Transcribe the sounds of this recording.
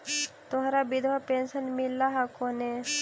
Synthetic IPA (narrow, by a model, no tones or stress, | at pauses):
t̪ʊɦaɾabid̪ʱʋapensənmilːaɦakone